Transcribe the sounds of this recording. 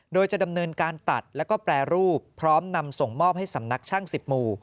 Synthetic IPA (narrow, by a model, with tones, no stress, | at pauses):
doː˧jt͡ɕa˨˩da˧mnɤː˧nkaː˧nt̪a̰˨˩t̪̚lɛ˦˥wkɔː˥˩plɛː˧ɾuː˥˩pʰːɾɔː˦˥mna˧mso˨˩ŋmɔː˥˩p̚ha˥˩jsa˩˦mna˦˥k̚t͡ɕʰaː˥˩ŋsi˨˩p̚muː˧